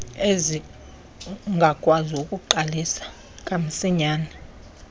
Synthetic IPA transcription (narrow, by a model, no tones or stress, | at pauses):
ezi | ŋɡʱakʼwaziukʼuǃalisḁ | kʼam̩siɲaːni